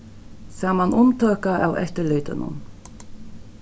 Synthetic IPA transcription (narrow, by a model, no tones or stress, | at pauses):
saːmanʔʊmt̪ʰøːkaʔa̰wɛ̰ht̪əlœːt̪ənʊ̰n